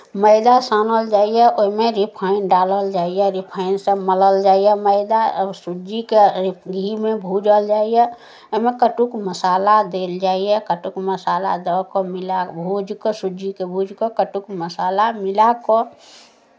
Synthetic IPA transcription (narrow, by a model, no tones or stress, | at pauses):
məɪd̪asanəld͡ʒaːijɛʔoɦmeɾipʰəɪnɖaːləld͡ʒaːijɛɾipʰaɪnsẽmələld͡ʒaːijɛməɪd̪asud͡ʒikeɾipɡʱimebʱud͡ʒəld͡ʒaːijɛ | oɦimekəʈukməsaːlad̪eld͡ʒaːijɛkəʈukməsaːla̰d̪əkomɪlabʱud͡ʒkosud͡ʒikebʱud͡ʒʱkokəʈukməsaːlamɪlako